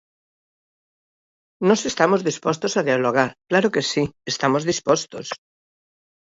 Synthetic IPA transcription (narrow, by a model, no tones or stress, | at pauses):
nosest̪amozðispost̪osaðjaloɣ̞aɾklaɾokesiest̪amozðispost̪os